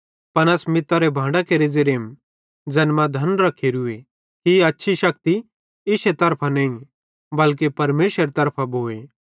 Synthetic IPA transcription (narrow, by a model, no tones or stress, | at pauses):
pɐnɛsmɪt̪ːaɾebʱãːɳɖakeɾed͡zeɾeːm | d͡ʒɐnmad̪ʱɐnɾɐkʰeɾʊe | kiɐtːʃʰiʃɐk̚t̪i | ɪset̪ɐɾpʰanɐĩ | bɐlk̬epɐɾmeːsəɾet̪ɐɾpʰabʱoːe